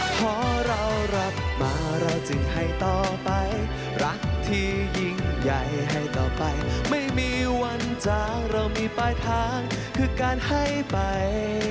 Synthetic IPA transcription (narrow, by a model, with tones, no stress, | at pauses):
pʰɔː˧˩ɾa˧wɾa˦˥p̚maː˨˧˦ɾa˧wt͡ɕɯ˨˩ŋha˥˩jt̪ɔː˨˩pa˧j | ɾa˦˥ŋt̪ʰiː˧˩ji˧ŋja˨˩jɦa˥˩jt̪ɔː˨˩pa˧jma˥˩jmiː˧wa˧nt͡ɕaː˧ŋɾa˧wmiː˧paː˧jt̪ʰaː˧˥ŋ | kʰɯː˧kaː˧nha˥˩jpa˧j